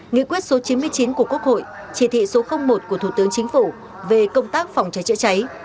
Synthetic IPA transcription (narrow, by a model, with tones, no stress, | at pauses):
ŋḭ˧˨kwi˦˥t̚so˨˦t͡ɕi˨˦nmɨ˧əjt͡ɕi˨˦nku˧˩əku˦˥ək̚ho̰˧˨j | t͡ɕi˧˩t̪ʰḭ˧˨so˨˦xə˧wŋ͡mmo˨˩t̚ku˧˩ət̪ʰu˧˩t̪ɨ˨˦əŋt͡ɕï˨˦ŋ̟fu˧˩ | ve˨˩kə˧wŋ͡mt̪aː˦˥k̚fa˨˩wŋ͡mt͡ɕaə˨˦jt͡ɕə̰˧˥t͡ɕa˨˦j